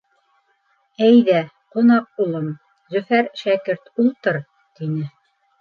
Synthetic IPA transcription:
æjðæ | qunɑq̚ulˠɤm | zɵ̆fæɾʃækɘɾt̪ulˠt̪ɤɾ | t̪inɘ

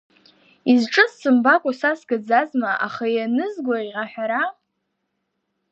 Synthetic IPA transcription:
izʈ͡ʂʼɨssɨmbakʷʼasasɡad͡zazmaʔa̰χajanɨzɡʷaiʁaħʷᶣaɾa

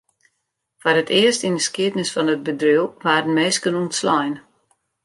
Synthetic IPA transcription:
fɔɾətʰɪəstindəskiətnəsfɔnət̚bədrywʋaːɾənmeːskənuntslɔjn

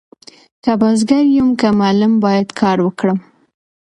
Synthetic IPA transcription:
kabazɡaɾjumkamɑlʊmbɑjad̪kʰɑɾwəkɽəm

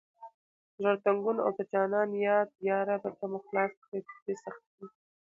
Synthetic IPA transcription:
ʒəɽt̪aŋɡuna̰wd̪at͡ʃɑnɑnjɑd̪̚jɑɾabat̪amaxlɑsxet̪d̪esaxt̪̚di

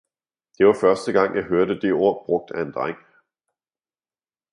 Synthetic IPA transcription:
dd̥e̝ʋɑ̈fɶɐsd̥əɡ̥ɑ̈ŋ̰jɑ̈ɪɦøɐɾəd̥e̝o̝ɐ̰b̥ʁɔ̽ɡ̥̚d̥æe̝nd̥ʁaŋ̰

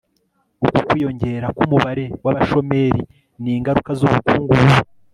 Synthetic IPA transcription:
ukokwiːjo̞ɲɟe̞ɾakumuβaɾe̞waβaʃo̞me̞ɾi | niːŋɡaɾukazuβukuːŋɡuu

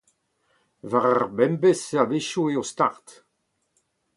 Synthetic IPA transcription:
vaʁaʁbɛmbeseabeʃueost̪a̰ʁt̪

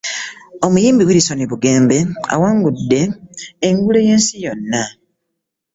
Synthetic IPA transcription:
o̞mujiːmbiwiliso̞niβuɡe̞ːmbe̞a̰waːŋɡudːe̞ːŋɡuleje̞ːnsijo̞nːa

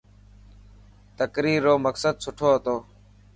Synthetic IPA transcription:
t̪əkɾiːɾːoːməksəd̪sʊʈʰoːɦət̪oː

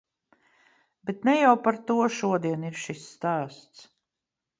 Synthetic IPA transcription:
bet̪nɛjawpaɾt̪uɔʃuɔd̪iɛniɾʃisːt̪æːst̪s

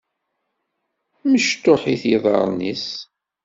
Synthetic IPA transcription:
məʃt̪ːoħiθjiðˤɑ̰ɾˤnis

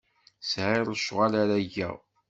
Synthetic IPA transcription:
sʕɪɾˤəʃʁalaɾæʝæ̰

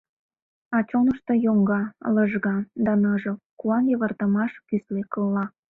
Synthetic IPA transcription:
ɑt͡ɕonəʃt̪ŏjoŋɡɑləʒɣɑd̪ɑnɤʒokuɑnjəβə̆rt̪əmɑʃkyslekəlːɑ

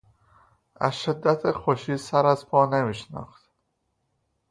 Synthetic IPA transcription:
æ̰zʃed̪ːæt̪ʰexoʃiːsæɾæzpʰɒːnemiːʃnɒ̰ːxt̪

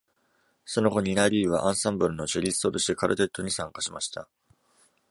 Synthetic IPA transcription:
so̞no̞ɡo̞ɲ̟inaɾʲiːβa̰ʔãɰ̃sãmbɯ̟ɾɯ̟no̞t͡ɕeɾʲisɨ̥t̪oɾɯɕid̪ekaɾɯ̰t̪e̞t̪ːo̞ɲ̟isãŋkaɕimaɕi̥t̪a̰

